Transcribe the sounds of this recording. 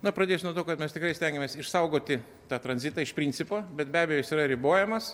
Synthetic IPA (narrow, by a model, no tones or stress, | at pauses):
nʊpɾɐd̪ʲeːsʲnuɔt̪oːkɐt̪mʲɛst̪ʲɪkɾɐɪsʲt̪ʲɛŋɡʲɪmʲeːsɪʃsɐʊɡoːt̪ʲɪ | t̪ɑːt̪ɾɐnʲzʲɪt̪ɑːɪʃpʲɾʲinʲt͡sʲsʲɪpoːbʲɛt̪bʲæːbʲɛjoːjɪsiːɾɐɾʲɪboːjɛmɐs